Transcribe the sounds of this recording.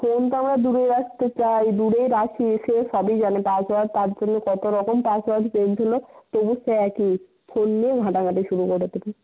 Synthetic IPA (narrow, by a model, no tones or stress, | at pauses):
font̪oamɾad̪uɽejɾakt̪et͡ɕajd̪uɽejɾaʃieʃesɔbid͡ʑanepasbaɖt̪aɾd͡ʒonːekɔt̪oɾɔkompasbaɖpend͡ʑʰʱolot̪obuseɛki | pʰonːijeɡʱãʈaɡʱaʈiʃuɾukoʈet̪ebe